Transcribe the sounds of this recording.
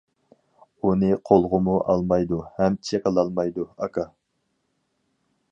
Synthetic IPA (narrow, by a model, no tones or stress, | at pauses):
unɨqʰolˠʁʊmuʔɑ̰lˠmɑjd̪uhɛmt͡ʃʰekəlˠɑlˠmɑjd̪uɑkʰɑ